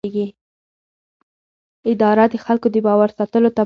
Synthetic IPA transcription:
eɡi | ɪd̪ɑɾad̪əxalkod̪əbɑwaɾsat̪əlot̪a

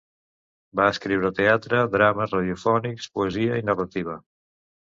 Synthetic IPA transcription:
baəskɾiwɾət̪eat̪ɾəd̪ɾaməzrəð̞jufɔnikspuəziəinərət̪iβ̞ə

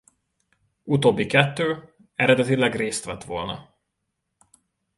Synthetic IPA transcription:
ut̪oːbːikɛt̪ːøː | ɛɾɛd̪ɛt̪ilɛɡreːst̪ʋɛt̪ʋo̞̰lnɒ̰

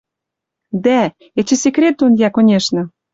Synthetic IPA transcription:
d̪æ | et͡ɕĕsʲekɾʲet̪̚ːonjækonʲeʃnɤ̆

